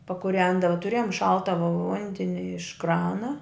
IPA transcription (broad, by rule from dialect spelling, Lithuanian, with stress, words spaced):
pɐkʊˈrʲɛndɐʋɐ tʊˈrʲeːjoːm ˈʃɐlˠtɐ ʋʊ ˈʋʊnʲdʲɛnʲɪ ɪʃ ˈkrɑːnɐ